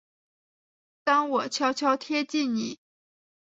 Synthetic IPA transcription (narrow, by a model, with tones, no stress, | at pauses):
t̪ɑ˥ŋwɔ˨˩t͡ɕʰjɑ˥ʊt͡ɕʰjɑ˥ʊt̪ʰjɛ˥t͡ɕi˥˩nni˨˩˦